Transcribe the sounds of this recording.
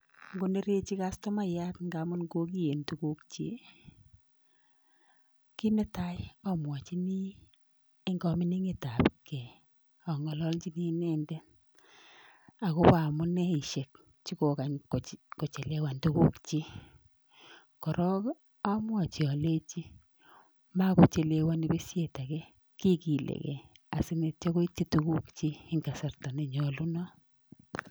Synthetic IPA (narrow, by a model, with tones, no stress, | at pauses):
ŋɡo˦ne˦ɾe˦t͡ʃi˦ka˦stɔ˦ma˦ja˦tŋɡa˦mʊ˦nɡo˦ki˦je˨ntu˦ku˦kt͡ʃḭ˦ | ki˦ne˦ta˦jɪɔ˦mwa˨t͡ʃi˦ni˦ | e˦ŋɡɔ˨mɪ˦ni˦ŋe˨ta˨pkɛ˨ | ɔ˨ŋɔ˨lɔ˦lt͡ʃi˦ni˦nɛ˦ndɛ˦ | a˨ko˦pa˨mʊ˦nɛ˦i˨ʃe˨k̚ | t͡ʃi˦ko˨ka˨ɲko˨t͡ʃe˨le˦wa˨ntu˦ku˦kt͡ʃi˦ | kɔ˨ɾʔɔ˦k | a˦mwa˨t͡ʃi˨ɔ˨le˦t͡ʃi˦ | ma˦ko˨t͡ʃe˨le˨wa˦ni˨˦be˦sje˨ta˨kɛ˦ | ki˦ki˨lʔḛ˨kɛ̰˨a̰˨sɪ˦ne˨t͡ʃɔ˦ko˦i˦t͡ʃːi˦tu˦ku˦kt͡ʃiː˦ŋɡa˨sa˨rta˨ne˨ɲɔ˨lu˦nɔ˦